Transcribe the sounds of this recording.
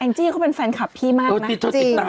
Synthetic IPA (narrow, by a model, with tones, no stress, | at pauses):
ʔɛː˧ŋt͡ɕiː˥˩kʰaː˥˩pe˧nfɛ˧nkʰa˨˩pʰiː˥˩maː˥˩ko˧˩n˦i˧˩t̪ʰːo˦˥i˨˧˩aː˧